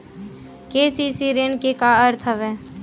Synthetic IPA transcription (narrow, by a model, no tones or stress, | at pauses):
keːsisiɾeɳkekaəɾt̪ʰəʋɛː